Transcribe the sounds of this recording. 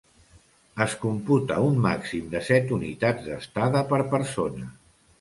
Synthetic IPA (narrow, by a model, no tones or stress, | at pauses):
əskumput̪əunːa̰ksimd̪əsɛt̪unit̪ad͡zd̪əst̪aðəpəɾpəɾsonə